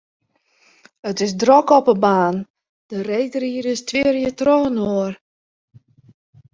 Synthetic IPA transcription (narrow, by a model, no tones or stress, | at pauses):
ətɪsdrɔkɔpəbaːn | d̥ərejdəriəɾɪstʰʋɪərjətroːənoər